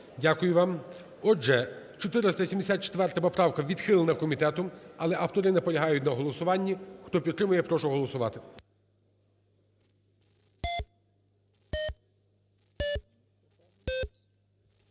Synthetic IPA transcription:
dʲakʊjʊʋɑm | ɔɛ | t͡ʃɔt̪ɪɾɪst̪ɐisʲimd̪esʲat̪̚t͡ʃe̥t̪ʋɛrt̪ɐpɔpɾɑwkɐʋʲid̪xɪlˠenɐkɔmʲit̪ɛt̪ɔmɐlˠɛʔɑwt̪ɔɾɪnɛpɔlʲɐɦɑjʊtʲnɐɦɔlˠɔsʊʋɑnʲːixt̪ɔpʲid̪ɾɪmʊjɛpɾɔʃʊɦɔlˠɔsʊʋɑt̪ɪ

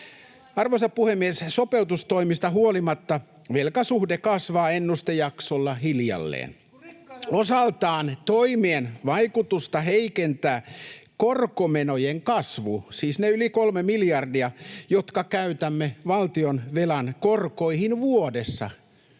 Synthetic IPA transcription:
ɑrʋoisɑppuhemːiessopeut̪ust̪oimist̪ɑɦuolimɑt̪ːɑ | ʋelkɑsuhdekɑsʋɑːenːust̪ejɑksolːɑhiljɑ̰lːḛːn | osɑlt̪ɑːnt̪oimienʋɑikut̪ust̪ɑheikent̪æːkorkomenojeŋkɑsʋusiːsneylikolmemiljɑrdiɑjot̪kɑkæyt̪æmːeʋɑlt̪ionʋelɑnkorkoihinʋuodesːɑ̰

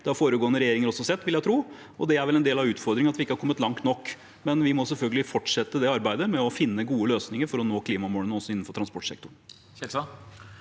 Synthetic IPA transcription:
d̪̥ɛɑɾfoːɾəɡoːənəɾɛjeːɾɪŋəɾɔsːɔsɛt̪ːʋɪljæɪt̪ʰɾuː | ɔd̪ɛæɾʋɛlɛnd̪eːlɑʋʉːt̪fɔɾd̪ɾɪŋənɑt̪ʋɪɪkːəhɑɾkʰɔmːət̪lɑŋt̪nɔkː | mɛnʋɪmɔsɛlfœlɡəlɪfɔʈʂɛt̪ːəd̪ɛɑɾbæɪd̪əmɛɔfɪnːəɡuːəløːsnɪŋəɾfɔɾɔnoːkʰliːmɑmoːlənəɔsːɔɪn̩ːfɔʈʰɾɑnspɔʈsɛ̰kt̪ʊɳ | çɛlsɑ

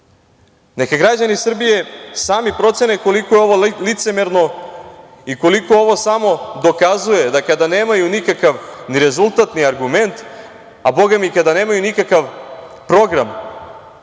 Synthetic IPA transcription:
ne̞kaɡɾad͡ʑanisr̩bije̞saːmipɾo̞t̪se̞nekolikojeo̞ʋolit̪se̞meɾno | iko̞liko̞o̞ʋo̞samo̞d̪o̞kazuje̞d̪akad̪ane̞ːmajunikakaʋniɾe̞zulˠt̪at̪niaɾɡume̞nt̪ | abo̞ɡamikad̪ane̞ːmajunikakaʋ | pɾo̞ɡɾam

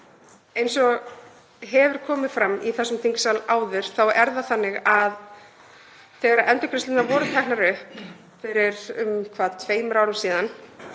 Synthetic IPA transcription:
ejnsɔɣ | ɦɛvʏɾ̥kʰɔːmɪð̥fɾamːiθɛsːʏmt̪ʰiŋcsalaːwðɪɾ̥θawɛɾðaθanːɪɣað | θɛːɣaɾaʔɛnt̪ʏkʰɾɪst̪ɪnavɔːɾʏt̪ʰɛk̚naɾʏhp | fɪɾɪɾʏmkʰvaːðt̪ʰveːjmʏɾaːwɾʏmsiːðan

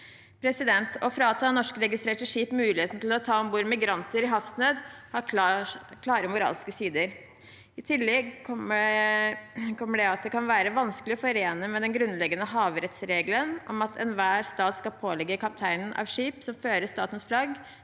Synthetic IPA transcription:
pʰɾɛsɪd̪ɛnt̪ʰɔfɾɑːt̪ʰɑnɔʂkəɾɛɡɪst̪ɾeːʈəʂiːpmʉːlɪheːt̪n̩t̪ʰɪlɔt̪ʰɑːɔmbuːɾmɪɡɾɑnt̪əɾɪɦɑfsnøːd̪hɑ | kʰlɑːɾəmʊɾɑ̰ːlskəsiːd̪əɾ | ɪt̪ʰɪlːɛɡʰɔmə | kʰɔmːəɖɛɑt̪̚d̪ɛkʰɑnʋæːɾəʋɑnskəlɪɔfɔɾeːnəmɛd̪ɛnɡɾʉnlɛɡːənəɦɑːʋɾɛt̪sɾeːɡlənʔɔ̰mɑt̪ʰɛ̰nʋæːɾst̪ɑːt̪skɑpʰoːlɛɡːəkʰɑp̚t̪ʰæɪnənʔɑ̰ʋʂiːpsɔmføːɾəʂt̪ɑːt̪ən̩splɑɡ

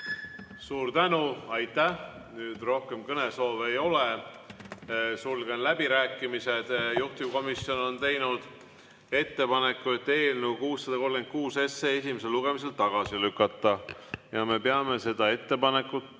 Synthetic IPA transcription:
suːɾt̪ænuɑjt̪ːæh | nyːd̪ro̞hke̞mkɤne̞so̞ːvejo̞le | sulɡ̥e̞nlæbiɾæːkːˑimise̞d̪̥juht̪uko̞miso̞no̞nt̪e̞jnud̪̥ | e̞t̪ːe̞pɑne̞kːˑuet̪ːe̞ːlnukuːsːɑd̪ɑko̞lɡe̞n̚kuːse̞sːeːesʲimes̬e̞lːuɡ̥e̞mis̬e̞lt̪ɑɡ̥ɑsilykːˑɑt̪ːˑɑjɑme̞peɑme̞se̞d̪̥ɑe̞t̪ːe̞pɑne̞kːˑut̪

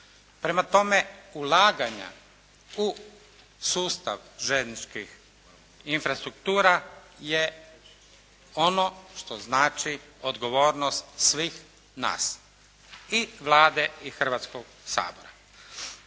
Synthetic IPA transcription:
pɾe̞mat̪o̞meulˠaːɡaɲa̰ | u | suːst̪a̰ʋʒennit͡ʃkix | infɾast̪ɾukt̪uːɾaje | onoʃt̪oznaːt͡ʃiod̪ɡo̞ʋo̞ːɾnost̪sʋiːx | na̰ːs | iʋlˠaːd̪eixr̩ʋat̪skoɡ | sa̰ːboɾa

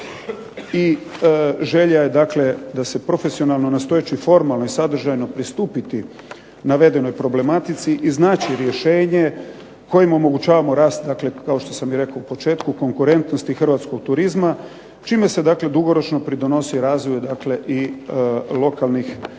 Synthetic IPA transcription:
i | ʒe̞ʎaje̞d̪akle̞d̪asepɾo̞fesio̞nalˠno̞nast̪o̞jet͡ʃifo̞ɾmalˠno̞isad̪r̩ʒajno̞pɾist̪uːpit̪i | naʋe̞d̪e̞no̞jpɾo̞ble̞mat̪it̪siʔiznaːt͡ʃiɾje̞ʃe̞ːɲe̞ | ko̞jimo̞mo̞ɡut͡ʃaːʋamo̞ɾaːst̪̚d̪akle̞kaoʃt̪o̞samjiɾe̞kaupo̞t͡ʃe̞ːt̪kuko̞ŋkuɾe̞nt̪no̞st̪ixr̩ʋat̪sko̞ɡ̚t̪uɾizma | t͡ʃiːme̞se̞d̪akle̞d̪uɡo̞ɾo̞t͡ʃno̞pɾid̪o̞no̞siɾaːzʋojed̪akle̞ʔi | lˠo̞kalˠnix

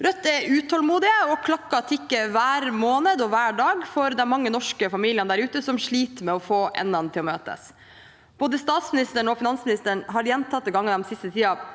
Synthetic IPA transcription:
ɾœt̪ːɛʉːt̪ʰɔlmuːd̪ɪəɔkʰlɑkːɑt̪ʰɪkːəʋæːɾmoːnəd̪ɔʋæːɖɑːɡfɔɾd̪ɛnmɑŋːənɔʂkəfɑmiːlɪənd̪æɾʉːt̪əsɔmʂɭiːt̪mɛɔfoːʔɛ̰nːɑnt̪ʰɪlɔmøːt̪ə̰s | b̥oːd̪əst̪ɑːt̪smɪnɪst̪əɳɔfɪnɑnsmɪnɪst̪əɳɦɑɾjɛnt̪ʰɑt̪̚d̪ɛɡɑŋːd̪ɛmsɪst̪ət̪ʰiːɑ

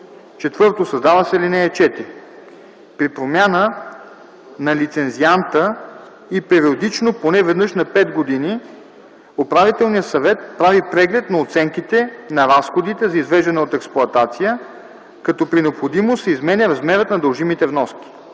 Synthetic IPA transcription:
t͡ʃɛt̪vɤɾt̪osɐzd̪avəsɛlinɛːt͡ʃɛt̪ɾi | pɾipɾomʲjanə | nɐlit̪sɛnziant̪ə | ipɛɾiod̪it͡ʃnoponɛvɛd̪nɤʃnɐpɛd̪ɡod̪ini | opɾavit̪ɛlˠnijəsɐvɛt̪̚pɾavipɾɛɡlɛt̪nɐot̪sɛŋkit̪ɛnɐɾasxod̪it̪ɛzɐizvɛʒd̪ɐnɛot̪ɛksplˠʊɐt̪at̪sijə | kɐt̪ɔpɾinɛopxod̪imosɛizmɛnʲəɾɐzmɛɾət̪nɐd̪əlˠʒimit̪ɛvnɔsk̟ʲi̥

